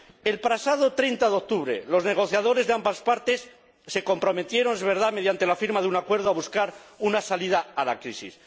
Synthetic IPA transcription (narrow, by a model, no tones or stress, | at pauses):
e̞lpɾasaðo̞t̪ɾe̞jnt̪aðeo̞k̚t̪uβɾḛlo̞zne̞ɣ̞o̞θjaðo̞ɾe̞zðe̞ambaspaɾt̪esː | e̞ko̞mpɾo̞met̪je̞ɾo̞nezβe̞ɾðame̞ðjant̪e̞lafiɾmaðeunakwe̞ɾð̞oaβuskaɾunasaliðaala̰kɾisḭs